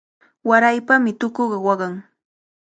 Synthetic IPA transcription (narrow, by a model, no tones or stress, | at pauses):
waɾajpamɪt̪ʊkoɢɑwɑɢɑŋ